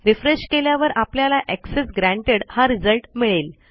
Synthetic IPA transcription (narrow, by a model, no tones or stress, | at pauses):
ɾifɾeɕkeljaʋəɾapljalaʔeksesɡɾæ̃ɳʈeɽhaɾid͡zəlʈmiɭel